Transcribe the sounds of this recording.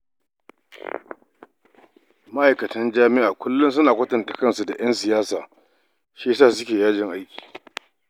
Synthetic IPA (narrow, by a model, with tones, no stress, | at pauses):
ma˦ʔa˨jkɐ˨tɐ˦nd͡ʒaː˦mɪ˦ʔaː˨kʷʰʊ˦lːʊ˦ns̬ʊ˦naː˨kʷɐ˦tɐ˨nta˨kɐ˦˨nsu˨da˨j̰ɐ˦nsɪ˨jaː˦saː˨ | ʃeː˦s̬aː˦˨s̬ʊ˦kʲeː˨jaː˦d͡ʒɪ˨ŋʔa˦jkʲi̥ː˨